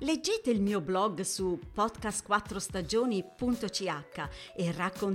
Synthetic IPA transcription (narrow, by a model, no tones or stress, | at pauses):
led͡ʒːeːt̪eilmiːoblɔɡsupɔd̪kast̪kwat̪ːɾost̪ad͡ʒoːnipunt̪ot͡ʃiakːaerakːon